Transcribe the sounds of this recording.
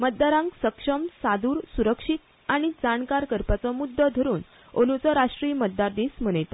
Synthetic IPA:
mət̪̚d̪aɾãŋksəkʂəmsad̪uːɾsuɾəkʂit̪ | aɽ̃id͡zaɳkaɾkəɾpat͡sɔmud̪ʱːəd̪ʱəɾuːn | onut͡səɾaʂʈɾijmət̪̚d̪aɾd̪ismənəjt̪a

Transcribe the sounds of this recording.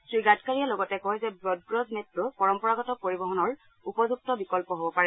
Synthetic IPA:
tɹiɡatkaɹialɔɡɔtɛkɔɦjzɛbɹɔd̚ɡɹɔznetːʊpɔɹɔmpɔɹaɡɔtɔpoɹibɔɦɔnɔɹ | upɔzuk̚tɔbikɔlpɔɦobɔpaɹɛ

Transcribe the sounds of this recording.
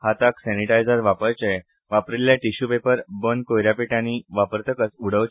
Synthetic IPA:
hat̪aksɛniʈajd͡zəɾʋapəɾt͡ɕe | ʋapɾiljaʈiɕubepəɾbənkojɾjapiʈãniʋapəɾt̪əkəsuɽ̤əʋ

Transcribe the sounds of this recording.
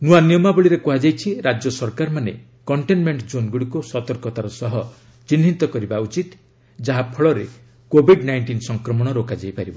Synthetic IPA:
nuaniɔmabɔɭiɾekuɦad͡ʒajt͡ʃʰiɾad͡ʒjɔsɔɾkaɾmanḛ | kɔɳʈenmeɳʈd͡ʒonɡuɽikusɔt̪ɔɾkɔt̪aɾɔsɔɦɔ | t͡ʃinːint̪ɔkɔɾibaut͡ʃit̪ | d͡ʒaɦapʰɔɭɔɾe | kobʱiɖnajɳʈinsɔŋkɾɔmɔɽ̃ɔɾokad͡ʒajpaɾibɔ

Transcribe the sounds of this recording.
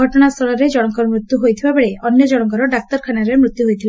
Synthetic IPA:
ɔʈɔnast̪ʰɔɭɔɾed͡ʒɔɽ̃ɔŋkɔɾɔmɾit̪juɦojt̪ʰibabeɭeɔnjɔd͡ʒɔɽ̃ɔŋkɔɾɔɖak̚t̪ɔɾkʰanaɾemɾut̪ːjuɦojt̪ʰil

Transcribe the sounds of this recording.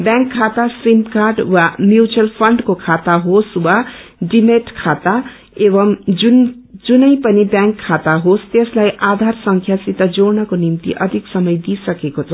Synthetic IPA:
bjãŋkʰːat̪asrimkarɖwamjut͡sʌlpʰʌɳɖkokʰat̪aɦoswaɖimeʈkʰat̪a | ebʌmd͡zund͡zunʌjpʌnibjãŋkʰːat̪aɦost̪eslajʔad̪ʱarsʌŋkʰjasit̪ːʌd͡zoɾnʌkonimt̪ḭʔʌd̪ʱiksʌmʌjd̪isʌkekot͡sʰʌ

